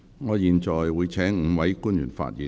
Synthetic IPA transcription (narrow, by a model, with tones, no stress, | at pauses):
ŋɔː˨˧jiː˨nt͡ʃɔː˨˩jwuː˨˧jt͡sʰɛː˨˥ŋŋ̩˨˧wɐ˨˥jkuː˥njyː˨˩nfa̰ː˧t̚jiː˨˧